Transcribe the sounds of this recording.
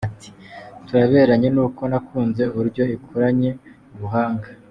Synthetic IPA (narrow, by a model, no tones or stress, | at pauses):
ati̥tuɾaβe̞ːɾaɲe̞nuːko̞nakʰuːnze̞uβuɾɟo̞ikʰuɾaɲe̞ | uβuɦaːŋɡa